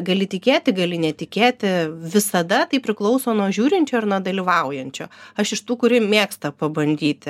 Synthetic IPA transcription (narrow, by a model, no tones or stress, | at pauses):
ɡɐlʲɪt̪ʲɪkʲeːt̪ʲɪɡɐlʲɪnʲɛt̪ʲɪkʲeːt̪ʲɪʋʲɪsɐd̪ɐt̪ɐɪpʲɾʲɪklˠɒʊsoːnuɔʒʲuːɾʲɪnʲt͡ʃʲoːɪɾnud̪ɐlʲiːʋɐˑʊjɛnʲt͡ʃʲoːɐʃɪʃt̪uːkʊɾʲɪmʲeːkst̪ɐpɐbɐnʲd̪ʲiːt̪ʲɪ